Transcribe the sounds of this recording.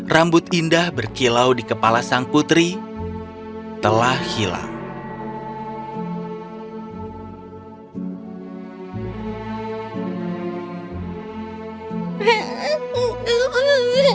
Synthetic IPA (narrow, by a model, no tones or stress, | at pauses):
rambʊt̪indahbərkilawdikəpalasaŋput̪ɾi | t̪əlahhila̰ŋ